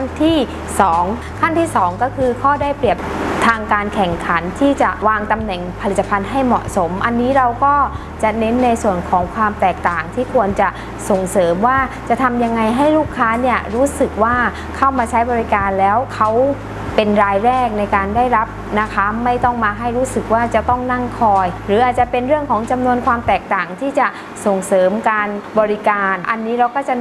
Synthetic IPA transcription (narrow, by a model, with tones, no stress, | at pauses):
a˥˩nt̪ʰiː˥˩ | sɔː˩˦ŋ | kʰa˥˩nt̪ʰiː˥˩sɔː˩˦ŋkɔː˥˩kʰɯː˧kʰɔː˥˩daː˥˩jpɾi˨˩əp̚t̪ʰaː˧ŋkaː˧nkʰɛ˨˩ŋkʰa˩˦nt̪ʰiː˥˩t͡ɕa˨˩ʔwaː˧ŋt̪a˧mnɛ˨˩ŋpʰa˧li˨˩t̪ːa˧pʰa˧nɦa˥˩jmɔ̰˨˩ʔso˩˦mʔa˧nːiː˦˥ɾa˧wkɔː˥˩ | t͡ɕa˨˩ne˦˥nːa˧jsu˨˩ənkʰɔː˩˦ŋkʰwaː˧mt̪ɛː˨˩k̚t̪aː˨˩ŋt̪ʰiː˥˩kʰu˧ənt͡ɕa˨˩ʔ | so˨˩ŋsɤː˩˦mwaː˥˩t͡ɕa˨˩t̪ʰa˧mja˧ŋːa˧jɦa˥˩jluː˥˩kʰːaː˦˥ni˥˩ɐɾuː˦˥sɯ˨˩k̚waː˥˩ | kʰa˥˩wmaː˧t͡ɕʰa˦˥jbɔː˧ɾi˦˥kaː˧nlɛː˦˥wkʰa˦˥w | pe˧nɾaː˧jɾɛː˥˩k̚na˧jkaː˧ndaː˥˩jɾa˦˥p̚na˦˧˩kʰa˦˥ma˥˩jt̪ɔ˥˩ŋmaː˧ɦa˥˩jɾuː˦˥sɯ˨˩k̚waː˥˩t͡ɕa˨˩t̪ɔ˥˩ŋna˥˩ŋkʰɔː˧jɾɯː˩˦ʔaː˨˩t̪̚t͡ɕa˨˩pe˧nɾɯ˥˩əŋkʰɔː˩˦ŋt͡ɕa˧mnu˧ənkʰwaː˧mt̪ɛː˨˩k̚t̪aː˨˩ŋt̪ʰiː˥˩t͡ɕa˨˩ | so˨˩ŋsɤː˩˦mkaː˧nbɔː˧ɾi˦˥kaː˧nʔa˧nːiː˦˥ɾa˧wkɔː˥˩t͡ɕa˨˩